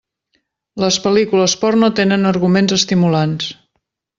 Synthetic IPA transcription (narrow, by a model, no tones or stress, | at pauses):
ləspəlikuləspɔrnot̪enənəɾɣumenzəst̪imulans